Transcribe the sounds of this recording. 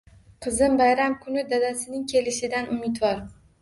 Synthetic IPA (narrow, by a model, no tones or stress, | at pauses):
qʰɨzɪmbajɾamkʰʊnɪd̪ad̪asɪnɪŋkʲʰe̞lɪʃɪd̪anʊmɪt̪vɒɾ